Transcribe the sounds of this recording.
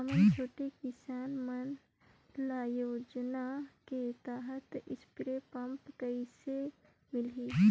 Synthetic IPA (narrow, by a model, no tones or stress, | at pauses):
əmənt͡ʃʰoːʈekɪsaːnmɐn | laːjoːd͡ʒnaket̪aːɦət̪ɪspɾepɐmpkəise | mɪlɦiː